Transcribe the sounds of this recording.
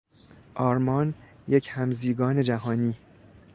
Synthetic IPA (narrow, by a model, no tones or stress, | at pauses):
ʔɒːɾmɒːn | jecʰhæmziːɡɒːned͡ʒæɦɒːniː